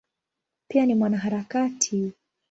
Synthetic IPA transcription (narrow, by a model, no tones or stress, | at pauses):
pianimwanaɦaɾakatʰi